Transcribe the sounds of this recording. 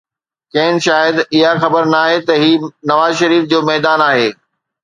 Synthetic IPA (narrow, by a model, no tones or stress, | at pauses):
kɐ̃ːɪnʃaːjəd̪ɪɦaxɐbəɾnaːɦet̪ɐɦiːnɐʋaːzʃɐɾiːfd͡ʑoːmɛːd̪aːnaːɦeː